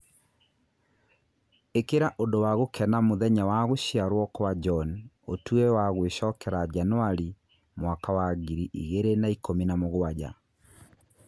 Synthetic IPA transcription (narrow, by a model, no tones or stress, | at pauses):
ekeɾaʔondowaɣokʰɛnamoðɛɲawaɣoʃiaɾwɔkɔwad͡ʒɔn | otuɛwaɣweɕɔkɛɾad͡ʒanwaɾi | mwakawaɡiɾiʔḭɣeɾenaikominamoɣoad͡ʑa̰